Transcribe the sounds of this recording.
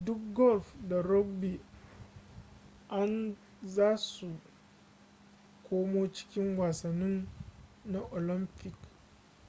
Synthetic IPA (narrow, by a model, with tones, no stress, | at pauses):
dʊ˦k̚ɡɔ˦lfda˨ɾɔ˦ɡbi˨ | ʔa˦n | zaː˦su˨ | kʷoː˦mo˦t͡ʃɪ̥˦kʲɪ˦ŋwaː˨sɐ˨nːʊ˦nː | a˨ʔo˨lɪ˦mpɪ˨k